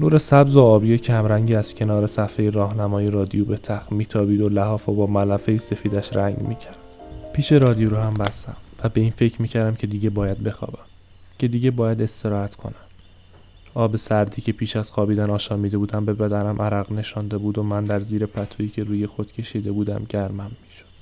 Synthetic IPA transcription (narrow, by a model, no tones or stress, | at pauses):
nuːɾe̞sæbzoɒːbijecʰæmɾæŋɟiːæz̥cʰe̞nɒːɾesæfejeɾɒːhnæmɒːjeɾɒːd̪ijobe̞t̪ʰæxmiːt̪ʰɒːbiːd̪olæhɒːfobɒːmælæfejise̞fiːd̪æʃɾæŋɟmḭːcʰæɾd̪̥pʰiːʃe̞ɾɒːd̪ijoɾohæmbæst̪æmvæbe̞iːnfe̞cʰɾmiːcʰæɾd̪æmcʰe̞d̪iːɟe̞bɒːjæd̪̚be̞xɒ̰ːbæm | cʰe̞d̪iːɟe̞bɒːjæd̪e̞st̪e̞ɾɒːhæt̪kʰo̞̰næm | ɒːbe̞sæɾd̪iːcʰe̞pʰiːʃæz̥xɒːbiːd̪ænɒːʃɒːmiːd̪e̞buːd̪æmbe̞bæd̪æɾæmʔæɾæɣne̞ʃɒnd̪e̞buːd̪o̞mænd̪æɾziːɾe̞pʰæt̪ʰoiːcʰe̞ɾuːje̞xo̞d̪̥cʲʰe̞ʃiːd̪e̞buːd̪æ̰mɟæɾmæmːiːʃod̪̥